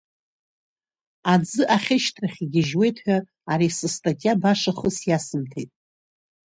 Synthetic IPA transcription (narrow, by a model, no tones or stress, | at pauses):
ad͡zɨʔaχʲɪʃtʰraχʲiɡʲɪʒwe̞jtʰħʷᶣa | aɾisɨstʼatʲʼjabaʂaχʊsjasɨmtʰejtʼ